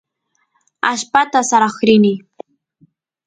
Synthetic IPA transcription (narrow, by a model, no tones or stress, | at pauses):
aʃpat̪asaɾɑχɾɪnɪ